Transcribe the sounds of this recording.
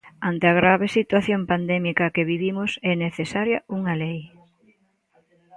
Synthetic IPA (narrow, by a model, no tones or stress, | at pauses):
ant̪eaɣɾaβ̞esit̪waθjompand̪ɛmikɐkeβiβimʊsɛneθesaɾjɐuŋɐlej